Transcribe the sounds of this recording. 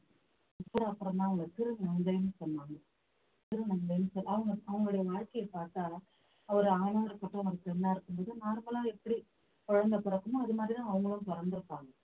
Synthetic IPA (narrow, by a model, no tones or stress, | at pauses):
ɐpːɯɽɐɐpːɯɾɐmd̪ãːɐʋɐŋɡɐtɪɾɯnɐnd̪ɐjɯnsɔnːaːŋɡɐ | t̪ɪɾɯnɐnd̪ɐjɐmsɔnːɐʋɐŋɡɐɐʋɐŋɡɐɭɽɐjɐʋaːɻkɐjɐpːaːɾt̪aː | ɐʋɐɾɯaːnaːɪɾɯkːɐʈːɯ̃ɐŋɐɡtːɛnːaːɪɾɯkːɯmboːðɯnaːɾmɐlaːɛpːɐɽi | pɔɻɐnd̪ɐpɔɾɐkːɯmoːɐðɯmaːd̪ɾit̪ãːɐʋɐŋɡɐɭɯmt̪ɔɾɐnd̪ɪɾɯpːaːŋɡɐ